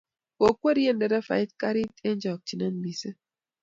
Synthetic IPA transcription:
ko˨kwe˦ɾje˦˨nde˨da˦fa̰˨i˦t̚ka˦ɾi˦tʼe˦n˦d͡ʒɔ˨k̚t͡ʃi˨ne˦n˦bi˨sə˦

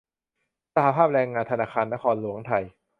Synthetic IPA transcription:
sa˧ha˧˦pʰaː˥˩p̚ɾɛː˧ŋːaː˧nt̪ʰa˧naː˧˩xʰaː˧nːa˦˥kʰɔː˧nlu˨˩˦əŋt̪ʰa˧j

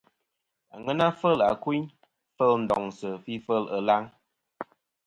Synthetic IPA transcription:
a̰˨ŋə˦na˦fə˦˨la̰˨kwi˦ɲ | fə˦ln̩˨dɔ˨ŋsə˨fi˦fə˦˨lə˨la˦ŋ

